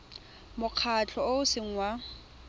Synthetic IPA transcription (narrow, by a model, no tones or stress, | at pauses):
mʊq͡χʰat͡ɬʰɔoʊsɪŋ̩wa